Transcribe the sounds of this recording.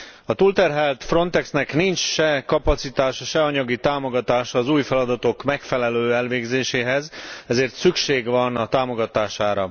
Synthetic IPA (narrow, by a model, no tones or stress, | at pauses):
ɒt̪uːlt̪ɛrɦɛlt̪fro̞nt̪ɛksnɛknint͡ʃʃɛkɒpɒt̪sit̪aːʃʃɛɒɲɒɡit̪aːmo̞ɡɒt̪aːʃːzuːjfɛlɒd̪ɒt̪o̞kmɛkfɛlɛløːɛlʋeːɡzeːʃeːɦɛzɛzeːrt̪sykʃeːɡʋɒnɒt̪aːmo̞ɡɒt̪aːʃaːɾɒ